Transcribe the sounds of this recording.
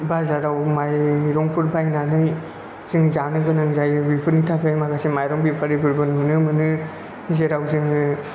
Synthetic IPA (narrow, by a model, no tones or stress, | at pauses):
bazaɾawmajɾɔŋpʰuɾbajnanɯj | ziŋzanɯɡɯnaŋzajɯbipʰuɾnitʰapʰemaɡasimajɾɔŋbipʰaɾibɯɾbɯnmɯnɯmɯnɯ | zeɾawzɯŋ